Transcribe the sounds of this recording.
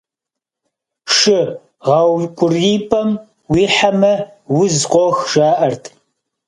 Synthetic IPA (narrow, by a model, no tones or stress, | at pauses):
ʂɨ | ʁɑwkʷʼʊriːpʰʼɐm | wiːħamɐ | wʊzqʷʼɔxʒ̥aːʔɐrtʰ